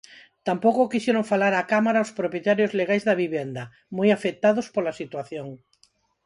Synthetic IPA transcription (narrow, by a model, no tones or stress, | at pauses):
t̪ampokokiʃjeɾoŋfalaɾakamaɾaospɾopjet̪aɾjozleɣajzðaβiβjɛnd̪ɐ | mojafet̪aðospolasit̪waθjoŋ